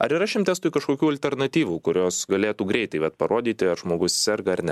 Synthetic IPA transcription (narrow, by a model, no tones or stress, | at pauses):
ɐɾɪɾɑːʃʲɪmt̪ʲæːst̪uːikɐʃkoːkʲuːɐlʲt̪ʲɛɾnɐt̪ʲiːʋuːkʊɾʲoːsɡɐlʲeːt̪uːɡɾʲɛɪt̪ɐɪʋɐt̪pɐɾoːd̪ʲiːt̪ʲɪɐɾʒmoːɡʊssʲɛɾɡɐɐɾnʲɛ